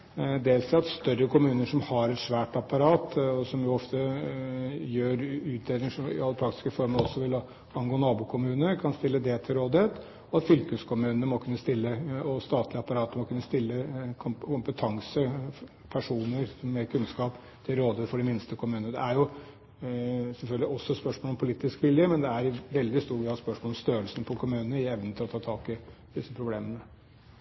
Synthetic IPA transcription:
d̪eːlsɑt̪st̪œɾəkʰʊmʉːnəʂɔmhɑɾɛt̪ʂʋæːʈɑpɑɾɑːt̪ɔsɔmjʊɔft̪ə | jøːɾʉːt̪̚d̪eːd̪ɪŋʂɔɪ̰ɑlːəpʰɾɑk̚t̪ɪ̥skəfɔɾməɔsːɔʋɪlːɔ | ɑnɡoːnɑːbʊkʰʊmʉːnəɾkʰɑnst̪ɪlːəd̪ɛt̪ʰɪlɾoːd̪ɪət̪ | ɔɑt̪fʏlkəskʰʊmʉːnəmɔkʰʉnːəst̪ɪlːəɔst̪ɑːt̪ʰlɪɑpɑɾɑːt̪mɔkʰʉnːəst̪ɪlːəkʰʊkʊmpət̪ʰɑŋsə | pʰæʂuːnəɾsɔmːɛkʰʉnskɑːp | t̪ʰɪlɾoːd̪ɪəːt̪fɔɖɛmɪnst̪əkʰʊmʉːnəd̪ɛ̰æɾjʊ | sɛlfœlɡ̪ɪɔsːɔspœʂmoɔlɔmpʰʊliːt̪ɪskʋɪljəmɛnd̪ɛæɾʋɛld̪ɪst̪uːɡʋɪhɑspœʂmɔlɔmst̪øːɾəlsən̩pʰɔkʰʊmʉːnənəɪɛʋnənt̪ʰɪlɔt̪ʰɑːt̪ʰɑːkɪd̪̥ɪsːəpʰɾʊbleːmənə

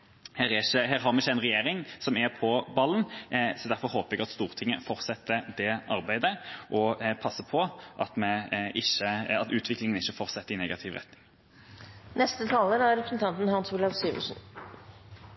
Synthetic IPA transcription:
heːɾɛɪçəɦæːɾɦɑɾmɛɪçːəæɪnʁɛjeːɾɪŋsɔmæpʰɔbɑlːənsɔd̪æɾfɔɾɦoːpəɛɡɑt̪st̪uːɾt̪ʰɪŋːəfɔɾsɛt̪ːəd̪ɛʔɑɾbæɪd̪əʔɔpʰɑsːəpʰɔʔɑt̪mɛɪçːəɑt̪ʉːt̪ʰʋɪklɪŋənɪçːəfɔʁt̪sɛt̪ːəɾɪnɛːɡɑt̪ʰɪʋʁɛ̰t̪nɪŋ | nɛst̪ət̪ʰɑːləɾæɾɾɛpɾəsnt̪ʰɑnt̪n̩hɑnsuːlɑʋsyːʋə̰ʂn

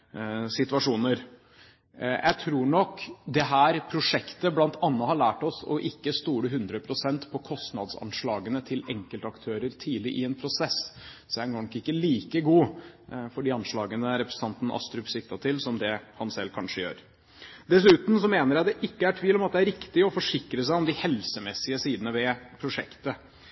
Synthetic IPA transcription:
sɪt̪ʋɑʂuːnəɾ | jʔæ̰ɪt̪ʰɾuːɳɔkːd̪ɛɦæːɾpʰɾʊʂɛkt̪əblɑnt̪ɑnːəhɑɭæːʈɔsɔ̰ʔɪkːəst̪uːɾəɦʉnd̪ɾəpʰɾʊsɛnt̪pʰɔkʰɔst̪nɑd̪sɑ̰nʂɭɑːɡənət̪ʰɪlɛŋkəlt̪əɑkt̪ʰøːɾəɾt̪ʰiːlɪʔɪɛnpʰɾʊsɛsd̪æɡoːɳɔkːɪkːəliːkəɡuː | fɔɖiːɑnʂɭɑːɡənəɾɛpɾəsnɑnt̪n̩ʔɑ̰st̪ɾʉpsɪkt̪ɑt̪ʰɪlsɔmd̪ɛhɑnsɛlːkʰɑnʂəjø̰ːɾ | d̪ɛs̬ʉːt̪n̩s̬ɔmeːnəɾjæd̪ɛʔɪkːəæʈʰʋiːlɔmɑt̪̚d̪ɛæɾɪkt̪ɪɔfɔʂɪkɾəs̬æɪɔmd̪ɪhɛlsəmɛsːɪəsiːd̪ənəʋɛpʰɾʊʂɛ̰kt̪ə

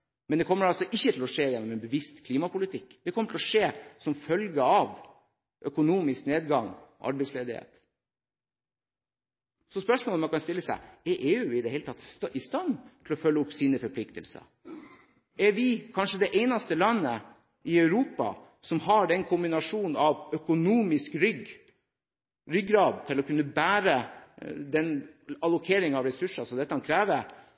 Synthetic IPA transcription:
mɛnd̪ɛkʰɔmːəɾɑlsɔʔɪçːət̪ʰɪlɔʂeːjɛnːɔmɛnbəʋɪst̪kʰliːmɑpʊlɪt̪ʰɪkːd̪ɛkʰɔmːəʈ̪ʰɪlɔʂeːsɔmfœlɡəɑʋ | ʔœkʊnuːmɪskneːd̪ɡɑŋʔɑ̰ɾbɛɪsleːd̪ɪhḛːt̪ | sɔspœʂmoːlmɑnkɑnst̪ɪlːəsæ̰ɪɛɾʔeːʉɪd̪ɛhɛɪlət̪ʰɑt̪ːɪst̪ɑnːt̪ʰɪlɔfœlːəʊpːsiːnəfɔɾpʰlɪkt̪ə̰lsə̰ | ɛɾʋɪkʰɑnʂəd̪ɛʔeɪnɑst̪əlɑnːə | ʔɪœʉɾuːpɑ̰ | sɔmhɑɖɛnkʰʊmbɪnɑʂuːn̩ɑʋœkʊnuːmɪskɾʏɡ | ɾʏɡɾɑːd̪̚t̪ʰɪlɔkʰʉnːəbæːɾə | d̪ɛnɑlʊkʰeːɾɪŋɑʋɾɛsʉʂɑsɔd̪ɛt̪ːəkʰɑnkʰɾæːʋəɾ

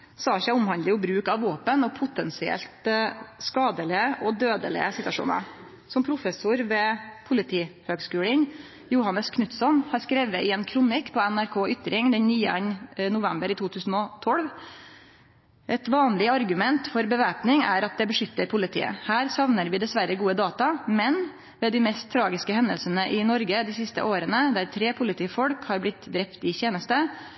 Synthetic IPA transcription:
sɑːʃæɪʊmhɑnd̪ɪʊbɾʉːkɑʋʋoːpənɔpʰʊt̪ɛnsɪɛ̰lt̪skɑːd̪əlɪəʔɔd̪øːd̪ə̰lɪ̰əsɪt̪ʋɑʂṵːnɑ̰ɾ | sɔmpʰɾʊfɛsʊɾʋɛpʰʊlɪt̪ʰiːhøːɡskʉːlən | jʊhɑnːəskʰnʉt̪sɔmhɑɾskɾɛʋəɪɛːnkʰɾʊnɪkpʰɔænæɾkʰoːʔʏt̪ɾɪŋd̪ɛɲnyːəɛɲnʊʋɛmbəɾit̪uːt̪ʰʉːsn̩ɔt̪ʰɔlʋ | ʔɛt̪ʋɑːnlɪɑɾɡʉmɛnt̪fɔɾbəʋæːpnɪŋæɾɑt̪̚d̪ɛbəʂʏt̪ːəɾpʰʊlɪt̪ʰḭːə̰hæːɾsɑʋnəɾʋɪːd̪ɛsʋæɾəɡuːəd̪ɑːt̪ɑmɛn | ʋɛːd̪ɪmɛst̪ʰːɾɑːɡɪskəhɛnd̪əlsənəʔɪnɔɾɡəd̪ɪsɪst̪ə̰ʔoːɾənəd̪æɾt̪ʰɾeːpʰʊlɪt̪ʰiːfɔɽkhɑɾblɪt̪d̪ɾɛpt̪ɪçeːnəst̪ə

